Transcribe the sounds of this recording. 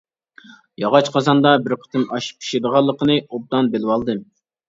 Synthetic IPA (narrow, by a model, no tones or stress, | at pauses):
jɑʁɑt͡ʃqʰɑzɑnd̪ɑbɪɾqʰə̥t̪ʰɨnɑʃi̥p̚ʰːi̥ʃed̪əʁɑlˠːəqənɨob̚d̪ɑnbelɪwɑlˠd̪ɨ